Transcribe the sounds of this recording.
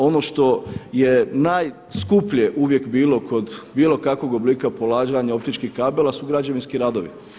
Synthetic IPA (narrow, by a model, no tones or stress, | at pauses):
o̞noʃt̪o̞jenaj | skupʎijeʔuʋje̞kbiːlo̞kʰo̞d̪bilˠo̞kakʋo̞ɡobliːkapolaːd͡ʒʋaɲao̞pt̪it͡ʃkihkabelasuɡɾad͡ʑaʋinskiɾaːd̪oʋḭ